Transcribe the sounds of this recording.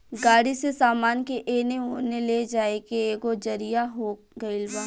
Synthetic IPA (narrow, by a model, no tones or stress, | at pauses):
ɡaːɽisesaːmaːnkeʔeːneoneled͡ʒaːekeeːɡod͡ʒɐɾijaɦoː | ɡɐɪlbaː